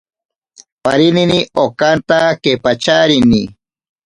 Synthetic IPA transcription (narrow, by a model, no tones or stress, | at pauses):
paɾininiʔokant̪akepat͡ʃaɾini